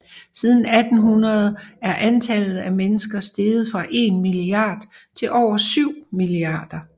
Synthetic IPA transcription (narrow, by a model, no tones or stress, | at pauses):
sið̞ˠn̩æd̥n̩ɦunɐð̞̩ˠæɐʔænt͡sʰɛlð̩ˠæmenəsɡ̥ɐsd̥e̝ːð̩ˠfʁɑ̈ʔe̝nmiliɑ̈ːd̥t͡sʰe̝lʔɒʊ̰ɐsyʊ̰miliɑ̰̈ːd̥ɐ